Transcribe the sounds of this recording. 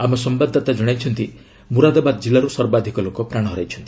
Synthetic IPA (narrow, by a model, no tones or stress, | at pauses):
amɔsɔmbad̪ʱːɔt̪ad͡ʒɔɽ̃ajt͡ʃʰɔnt̪i | muɾad̪ɔbad̪ɔd͡ʒilaɾusɔɾbad̪ʱikɔlokɔpɾaɽ̃ɔɦɔɾajt͡ʃʰɔnt̪i̥